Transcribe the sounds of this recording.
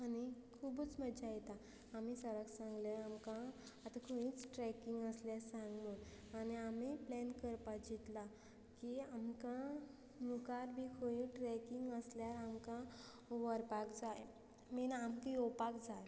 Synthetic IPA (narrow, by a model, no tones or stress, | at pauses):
anikʰuːbut͡sməd͡ʑajɛt̪aː | misəɾəɡsãŋɡləamkã | at̪akʰoĩːt͡sʈɾɛkiŋɡəsljasãŋɡmuːn | añiamiplɛnkəɾpad͡ʑit̪la | kiamkã | nukaɾbʱikʰojĩʈɾɛkiŋɡəsljaɾamkã | ʋəɾpakd͡zaj | minampiopakd͡zaj